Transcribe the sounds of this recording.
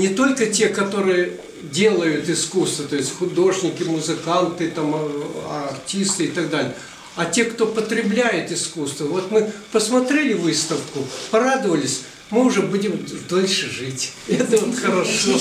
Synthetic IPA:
nʲɪt̪o̞lʲkətʲe̞kɐt̪o̞ɾɨjə | dʲe̞lˠəjʊt̪ɪskust̪vət̪o̞jɪsʲtʲxʊd̪o̞ʐnʲɪkʲɪmʊzɨkant̪ɨt̪amɐrtʲist̪ɨɪt̪ɐɡd̪alʲɪjə | ɐtʲe̞kt̪o̞pət̪ɾʲɪblʲæjɪt̪ɪskust̪vəvo̞t̪mɨpəsmɐt̪ɾʲelʲɪvɨst̪əfkʊpɐɾad̪əvəlʲɪsʲ | mɨʊʐɛbudʲɪmd̪olʲʂɨʐɨtʲɛt̪əvot̪xəɾɐʂo

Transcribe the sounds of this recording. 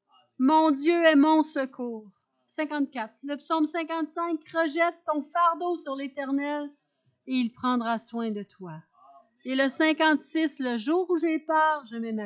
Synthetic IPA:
mɔ̃dzjøɛmɔ̃səkʰuːʁ | sɛ̃kɑ̃t̪̚kʲat̪χləpsɔʊmsɛ̃kɑ̃t̪sɛ̃kʁəʒɛt̪ːɔ̃faʁd̪osyʁlet̪ɛʁnɛl | eilpʁɑ̃d̪ʁaswɛ̃d̪ət̪wa | eləsɛ̃kɑ̃t̪sɪsləʒuːʁuʒɛpaːʁʒəmɛma

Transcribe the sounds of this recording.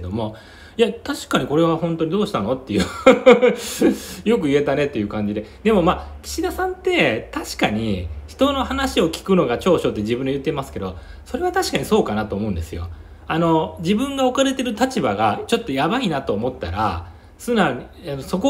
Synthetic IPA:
ked̪o̞mo̞ | jat̪aɕi̥kaɲ̟iko̞ɾe̞βahõ̞nt̪o̞ɲ̟id̪o̞ːɕi̥t̪ano̞t̪ːe̞jɯ̟ | jo̞kɯ̟ie̞t̪ane̞t̪ːe̞jɯ̟ːkãɲ̟d͡ʑid̪e̞d̪e̞mo̞maːkʲi̥ɕid̪asãnt̪ːe̞t̪aɕi̥kaɲ̟içi̥t̪o̞no̞hanaɕio̞kʲi̥kɯ̟no̞ɡat͡ɕo̞ːɕo̞t̪ːe̞ʑibɯ̃ndejɯ̟t̪ːemasɨ̥ke̞d̪o̞̰ | so̞ɾe̞β̞at̪aɕi̥kaɲ̟iso̞ːkanat̪o̞ːmo̞ɯ̟̃nd̪e̞sɨjo̞̰ | ano̞d͡ʑibɯ̟̃ŋɡao̞kaɾe̞t̪e̞ɾɯ̟t̪at͡ɕibaɡat͡ɕo̞t̪ːo̞jabainat̪o̞ːmo̞t̪ːa̰ɾa̰ | sɨnaɲi | anoso̞ko

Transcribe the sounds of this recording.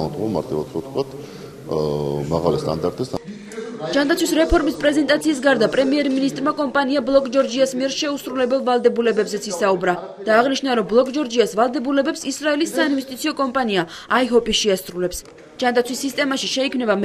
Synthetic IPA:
ɔd̪ɔma̰ɾt̪ʼiva̰t̪sɔt̪̚ʰkʰwat̪ʰ | maɣalist̪ʼa̰nd̪aɾt̪ʼisd̪ | d͡ʒand̪at̪sʰwisɾɛpʰɔɾmispʼɾɛzɛnt̪ʼat̪sʰiːs̬ɡaɾd̪apʼɾɛmiɛɾminist̪ʼɾmakʼɔmpʼaniablˠɔkʼd͡ʒɔɾd͡ʒiasmiɛɾʃɛusɾulɛbɛlˠvalˠd̪ɛbulɛbɛbzɛt̪sʰisaubɾad̪̥aːʁniʃnaɾɔmblˠɔkʼd͡ʒɔɾd͡ʒiasvalˠd̪ɛbulɛbɛpsisɾaɛlisːainvɛst̪ʼit̪sʰiɔkʼɔmpʼaniaaiɦɔpʼiʃiasɾulɛps | d͡ʒ̥and̪at̪sʰwisːist̪ʼɛmaʃiʃɛikʰmnɛbam

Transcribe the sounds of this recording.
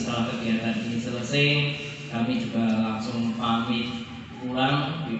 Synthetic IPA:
t̪alakəɡiat̪anḭnisələsɪh | kamid͡ʒuɡalaŋsʊŋpamɪt̪ | pulaŋi

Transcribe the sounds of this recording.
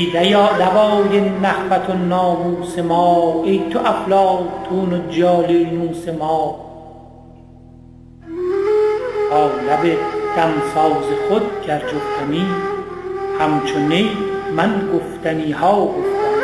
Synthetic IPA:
iːd̪æjɒːd̪æbɒːjenːæxfæt̪ʰonɒːmuːsemɒːejt̪ʰoʔæflɑɒːt̪ʰuːnod͡ʒɒːlenuːsemɑː | ʔɒːlæbed̪̥æmsɒːzexod̪̚ɟæɾd͡ʒoft̪ʰæniː | hæmt͡ʃʰonejmænɡoft̪æniːhɒːɡoft̪æm

